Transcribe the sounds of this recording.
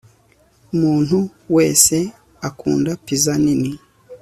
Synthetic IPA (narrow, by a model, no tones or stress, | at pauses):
umuːn̥huwe̞ːse̞ | akṵːndapizanini